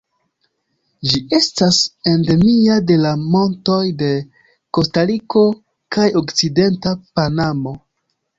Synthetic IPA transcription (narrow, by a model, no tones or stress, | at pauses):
d͡ʒiʔe̞stase̞nde̞miade̞lamo̞nto̞jde̞ | ko̞staɾiko̞ | kajo̞kt͡side̞ntapanamo̞